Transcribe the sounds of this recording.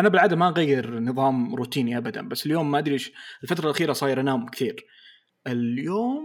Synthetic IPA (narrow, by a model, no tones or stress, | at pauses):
ʔanabɪlʕaːd̪amaʔɣajːɪɾnɨðˤɑːmɾuːt̪iːniʔabad̪a̰nbasːɪljoːmːaʔad̪ɾiːʃɪlfat̪ɾˤɑlʔaxiːɾɑsˤɑːjɪɾʔanaːʊmkɪt̪iːɾ | ʔɪljoːm